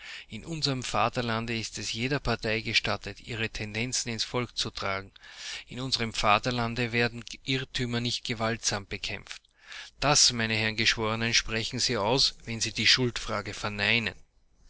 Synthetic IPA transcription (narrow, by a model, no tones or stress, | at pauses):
ɪnʔʊnzəʁəmfa̰ːtɐlandəɪstɛsjeːdɐpʰaɐtʰæɪɡəʃtatətʰiːʁ̞ətʰɛndɛnt͡sn̩ɪnsfɔlkt͡sutʁ̥aːɡŋ̩ɪnʊnzəʁəmfaːtɐlandəvɛːɐdn̩ʔɪʁtʰyːmɐnɪçt̚ɡ̥əvaltz̥aːmb̥əkʰɛ̰mft | d̥asmæɪnəhɛɐnɡəʃv̥oːʁənənʃpʁ̥ɛçn̩ziːaʊsvɛnziːdiːʃʊltfʁ̥aːɡəfɛɐnaɪnə̰n